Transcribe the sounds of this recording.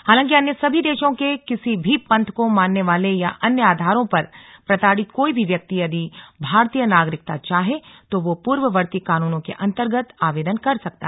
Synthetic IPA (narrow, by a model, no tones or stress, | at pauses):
haːlãːŋkiɐnjəsɐbʱid̪eːʃõkekɪsibʱipɐ̃nt̪ʰkomaːnːeʋaːlejaʔɐnjəaːd̪ʱaːɾõpɐɾpɾɐt̪aːɽɪt̪koːibʱiʋjɐk̚t̪iɐd̪ʱibʱaːɾt̪ijənaːɡɾɪk̚t̪at͡ʃaːɦet̪oʋopuːɾʋəʋɐɾt̪ikaːnuːnõkḛʔɐ̃nt̪əɾɡət̪aːʋeːd̪ənkɐɾsɐk̚t̪a̰ɦ